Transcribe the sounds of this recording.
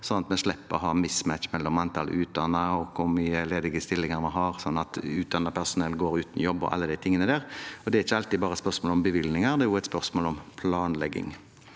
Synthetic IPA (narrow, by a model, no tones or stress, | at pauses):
sɔnɑt̪mɛʂlɛpːəɔɦɑːmɪsmæt̪t͡ʃmɛlːɔmɑnt̪ʰɑl̰ʔʉːt̪̚d̪ɑnːəɔkʰʊɾmyːəleːd̪ɪɡəst̪ɪlːɪŋəɾmɑnɦɑɾsɔnːɑt̪ʉːt̪̚d̪ɑnːəpʰæsʊnɛlt̪ɡoːɾʉːt̪n̩jɔbːɔ̰ʔɑ̰lːəd̪æɪt̪ʰɪŋːənəd̪æːɾɔd̪ɛæɾɪçːəɑlt̪iːbɑːɾəɛspœɾsmoːlɔmbəʋɪlnɪŋəɾd̪ɛjʊæɪt̪spœɾsmoːlɔmpʰlɑːnlɛɡːɪ̰ŋ